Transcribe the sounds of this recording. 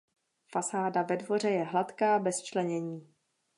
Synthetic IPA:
fasaːdavɛdvo̞r̝ɛjɛɦlat̪kaːbɛst͡ʃlɛɲɛɲiː

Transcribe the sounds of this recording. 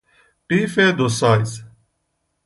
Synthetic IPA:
ʈiːfeːd̪osaːjs

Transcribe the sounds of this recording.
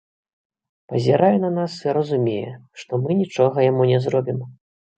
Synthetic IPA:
pɐzʲɛɾajɛnɐnasiɾɐzumʲejɛ̰ʂt̪ɔmɨnʲit͡ʂɔɣɐjamunʲɛzɾɔbʲim

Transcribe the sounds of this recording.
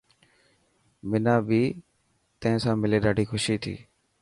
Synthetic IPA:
mɪnaːbiː | t̪ə̃ɦɪ̃ːsãːmɪleːɗaːɖʱiːxʊʃiːt̪ʰḭː

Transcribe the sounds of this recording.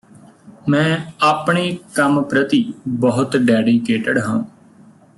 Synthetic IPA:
mɛ̃ːaːpɳeːkəmpɾət̪iːbəɦʊt̪ɖɛːɖiːkeːʈəɖɦãː

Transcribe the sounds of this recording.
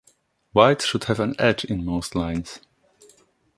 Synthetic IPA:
waɪtʃʊd̥̚hɨvə̃nɛd͡ʒɪ̃nmoʊstˡlãɪ̃nz̥

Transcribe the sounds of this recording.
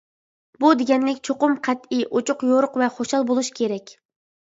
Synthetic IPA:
bud̪eɡʲɛnlɪkʲt͡ʃʰoqʊmqʰɛt̪iʔot͡ʃʰʊqjoɾʊqvɛχoʃɑlˠbolˠuʃkʲʰeɾɛkʲ

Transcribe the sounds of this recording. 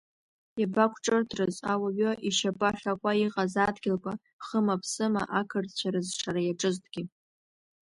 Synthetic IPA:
jabakʷʰʈ͡ʂʼɨrtʰrɨzawaɥoʔiʃabʼaχʲakʷʼaiqʼazadɡʲɪlkʷʼa | χəmapʰsɨma̰ʔakʰɨrdt͡ɕʷʰaɾɨzʈ͡ʂʰaɾajaʈ͡ʂʼɨztʰʼɡ̥ʲɪ

